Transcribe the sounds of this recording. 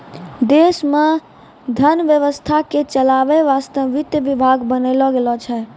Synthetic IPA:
d̪esmẽ | d̪ʱənʋjəʋəst̪ʰaket͡ʃəlaʋeʋast̪əʋit̪jəʋibʱaɡbənəlɔɡelɔt͡ʃʰɛ

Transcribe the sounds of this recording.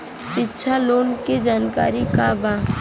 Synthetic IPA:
ɪtːʃʰaloːnked͡ʒaːnka̰ːɾikaba

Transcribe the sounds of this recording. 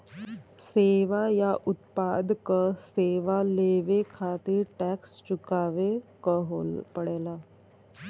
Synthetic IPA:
seʋajaʔut̪pad̪kəseʋaleʋekʰat̪iːɾʈækst͡ɕukaʋekəɦopəɽela

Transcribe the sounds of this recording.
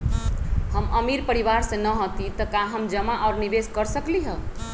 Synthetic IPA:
həməmiɾpəɾiʋaɾsẽnəɦot̪it̪əkaɦəmd͡ʒəmaʔaʊɾniʋeskəɾsəkliɦə

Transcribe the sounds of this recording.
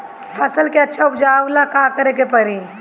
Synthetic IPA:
pʰɐsəlkeɐtːʃʰaʊpd͡ʒaːʊlakãːkəɾekepɐɾi

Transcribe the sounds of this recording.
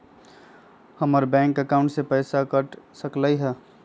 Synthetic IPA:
həməɾbɛ̃ŋkəkaʊ̃ɳʈsepəɪsakəʈsəkləjɦɛ

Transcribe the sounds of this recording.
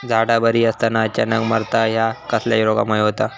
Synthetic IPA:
d͡zʱaɽabəɾiːəst̪anaːt͡ɕanəkməɾt̪aɦjakəslja̰jiɾoɡa̰məeɦot̪a

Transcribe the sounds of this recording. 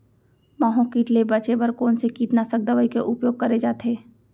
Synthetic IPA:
maːɦõkiːʈlebɐt͡ʃebɐɾkoːnsekiːʈnasək̚d̪ɐʋaikeʔʊpjoːɡ̚kɐɾed͡ʒaːt̪eː

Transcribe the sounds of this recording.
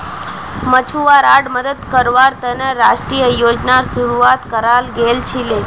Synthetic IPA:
mət͡ɕʰuʋaɾaɽməd̪əd̪kəɾʋaɾt̪əneɾaʂʈɾijəjod͡ʒnaɾsuɾuat̪kəɾalɡelt͡ɕʰile

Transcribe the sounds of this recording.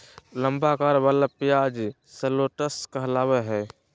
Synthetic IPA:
ləmbakaːɾbalapijad͡ʒ | səloʈəskəɦlaːβɛɦɛː

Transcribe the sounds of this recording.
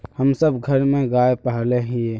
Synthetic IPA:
həmsəbɡʱəɾmẽɡaːepəɦleɦie

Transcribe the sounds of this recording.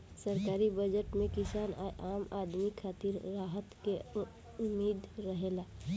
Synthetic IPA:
səɾkaːɾibəd͡ʒəʈmẽkɪsaːnaʔaːmaːd̪mikʰaːt̪iɾːaːɦət̪ke | ʊmːeːd̪ʱɾəɦeːlaː

